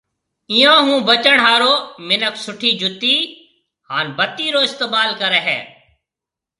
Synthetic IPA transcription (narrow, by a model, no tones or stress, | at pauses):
ɪ̃ːjãːɦũːbət͡ʃəɳɦaːɾoːmɪnəksʊʈʰiːd͡ʒʊt̪iː | haːnbət̪ːiːɾoːɪst̪əbaːlkəɾeːɦɛ̰ː